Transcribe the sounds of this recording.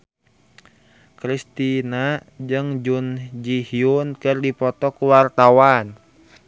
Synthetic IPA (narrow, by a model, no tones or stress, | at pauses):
kɾist̪inad͡ʒɨŋd͡ʒund͡ʒihiunkɨrdipɔt̪ɔkuwart̪awan